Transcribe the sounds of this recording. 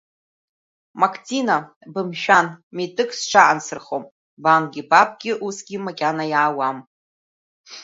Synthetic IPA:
makʰʼt͡sʰʼina | bɨmʃᶣanmetʼɨkʰʼsʈ͡ʂʰaʔansɨrχom | bamɡʲɪbʼapʰʼɡʲɪʔusɡʲɪmakʲʼanajaːwam

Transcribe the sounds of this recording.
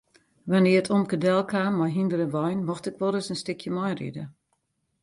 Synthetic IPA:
ʋanɪəətʰomkədɛlˠkʰaːmːɔjɦindəɾəʋɔjnmɔxtɪkʋɔlˠɾɪsənstɪkʰjəmɔjrḭdə̰

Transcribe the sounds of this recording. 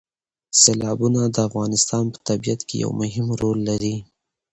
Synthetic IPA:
selɑbunad̪əafɣɑnɪst̪ɑnpə̥t̪abijat̪keja̰wmʊɦɪmɾolːaɾi

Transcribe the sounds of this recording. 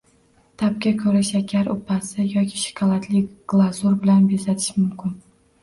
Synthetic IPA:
t̪ʰap̚kʲakʰɵɾɪʃakʲʰaɾʊ̰pʰːasɪjɒkʲʰɪʃɪ̥kʰɒlˠat̪ʰlɪɡ̥lˠazuɾbɪlanbezat̪ʰɪ̥ʃmʊmkʲɪn

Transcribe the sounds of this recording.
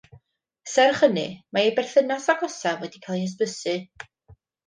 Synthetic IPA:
sɛrχənɨ̰maejbɛrθənasaɡɔsɛvwɛdikʰalˠiəs̬bəsɨ

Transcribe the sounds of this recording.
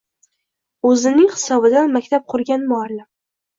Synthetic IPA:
ɵzɪnɪŋχɨ̥sɒbɪd̪anmakʲt̪ʰap̚qʰʊɾɡʲanmʊalːɪm

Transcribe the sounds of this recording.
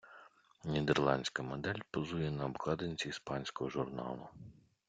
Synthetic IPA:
nʲid̪ɛrlˠɑnʲsʲkɐmɔd̪ɛlʲpɔzujɛnɐːbklˠɑd̪enʲt͡sʲiːspɑnʲsʲkɔɦɔʒʊrnɑ̰lˠʊ

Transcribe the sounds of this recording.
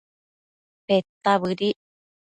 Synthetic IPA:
pet̪ːaβɨɾi

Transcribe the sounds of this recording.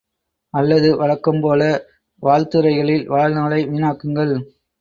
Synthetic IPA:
ɐlːɐðɯʋɐɻɐkːɯmpoːlɐ | ʋaːɻt̪ɯɾɐɪɣɐɭɪlʋaːlnɐːɭɐɪʋɪnaːkːɯŋɡɐɭ

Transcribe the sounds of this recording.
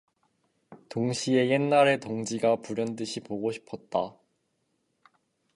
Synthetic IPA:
toŋɕʰie̞je̞nːaɾe̞toŋd͡ʑiɡapuɾjʌnt̬͈ɯɕʰipoɡoɕʰi̥pʰʌt̚t͈a

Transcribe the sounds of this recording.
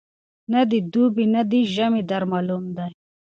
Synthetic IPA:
nad̪id̪ubinad̪iʒamid̪ɐɾmalumd̪aj

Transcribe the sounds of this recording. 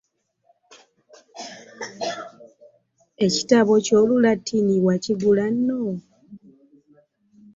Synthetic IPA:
e̞ci̥taβo̞co̞ːlulatʰːiniwaciɡulanːo

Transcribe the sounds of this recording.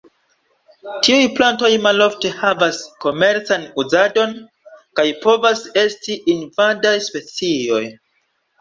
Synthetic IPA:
tiujplanto̞jmalo̞fte̞havasko̞me̞ɾt͡sanuzado̞n | kajpo̞vase̞stiʔinvadajspe̞t͡sio̞j

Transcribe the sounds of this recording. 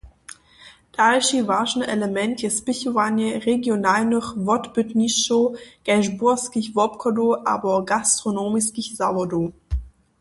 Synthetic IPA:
d̥alʃivaʃn̩ʔɛləmɛntjɛspɪçuanjəʁeɡjonaːlnɔχvɔtb̥ʏtnisʃoɡ̥ɛʒbʊɐskiçvɔp̚kʰɔdoʔa̰ːbɐɡastʁ̥onoːmiskiçzavɐdo

